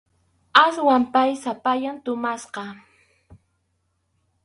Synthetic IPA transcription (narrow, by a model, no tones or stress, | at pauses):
aswampajsapajant̪ʊmasqɑ